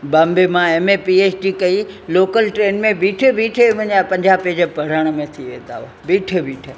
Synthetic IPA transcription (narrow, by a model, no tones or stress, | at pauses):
bɐmbemãeːmepieːt͡ɕʈikɐiloːkəlʈɾeːnmẽbiːʈʰebiːʈʰeʋɐ̃ɲapɐ̃ɲd͡ʑaːped͡ʑepɐɽ̤əɽ̃ə̆mẽt̪ʰiʋẽːt̪a̰ːʋ | biːʈʰebiːʈʰə